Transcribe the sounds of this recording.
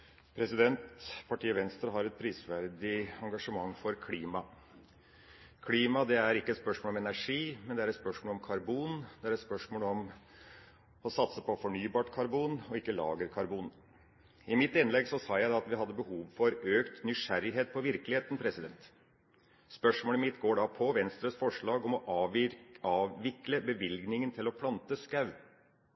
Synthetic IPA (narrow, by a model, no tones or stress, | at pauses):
pʰɾɛsɪd̪ɛnt̪pʰɑʈʰiːəʋɛnst̪ɾəɦɑɾɛt̪̚pʰɾiːsʋæɾd̪ɪɑŋɡɑʂəmɑŋːfɔɾkʰliːmɑ | kʰliːmɑd̪ɛæɾɪkːət̪spœʂmoːlɔmɛnæɾʂiːmɛnd̪ɛæɾɛt̪spœʂmoɔːlɔmkʰɑɾbuːnd̪ɛæɾɛt̪spœʂmoːlɔm | ɔsɑt̪səpʰɔfɔɳyːbɑːʈkʰɑɾbuːnɔɪkːəlɑ̰ːɡəɾkʰɑɾbuːn | ɪmɪt̪ːɪnlɛɡsɔsɑːjæɪd̪ɑɑt̪ʋɪɦɑd̪ːəbəhuːʋfɔɾøːkt̪nʏʂæɾɪɦeːt̪̚pʰɔʋɪɾkəlɪheːt̪n̩pʰɾɛsɪd̪ɛnt̪ | spœʂmoːləmɪt̪ɡoːɖɑpʰɔʋɛnst̪ɾəsfɔʂɭɑːɡɔmɔʔɑːʋɑːʋːɪkləbəʋɪlɡnɪŋənt̪ʰɪlɔpʰlɑnt̪əskɑʉ